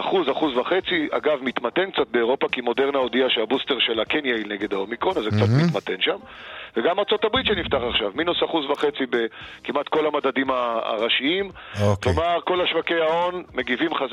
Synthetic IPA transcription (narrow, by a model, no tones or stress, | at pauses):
aχuzaχuzvaχe̞t͡sia̰ɡavmit̪mat̪e̞nkt͡sat̪̚be̞oʁo̞pakimo̞de̞ʁnaodiaʃeabusteʁʃelakenjailneɡedaomikʁo̞nazːekt͡sat̪mit̪mat̪enʃamveɡamaʁt͡so̞tabʁit̪ʃenift̪aχaχʃavminusaχuzvaχe̞t͡sibekimat̪ko̞lamadadimaa̰ʁaʃiimklomaʁko̞laʃvake̞jao̞nme̞ɡivimχaz